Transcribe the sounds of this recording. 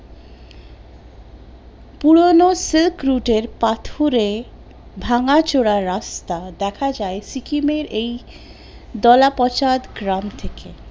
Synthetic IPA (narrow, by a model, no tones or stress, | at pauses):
puɽonosilkɾuʈeɾpat̪ʰoɾe | bʱaŋat͡ɕoɽaɾːast̪ad̪ɛkʰad͡ʑaesikimeɾʔej | d̪ɔlapɔt͡ɕad̪ɡɾamt̪ʰeke